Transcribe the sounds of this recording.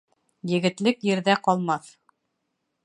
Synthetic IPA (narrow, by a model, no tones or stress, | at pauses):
jɘ̆ɡɘ̆t̪lɘkjɘ̆ɾðæqɒlˠmɑθ